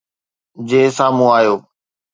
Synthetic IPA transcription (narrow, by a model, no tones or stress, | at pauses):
d͡ʑeːsaːmũaːjoː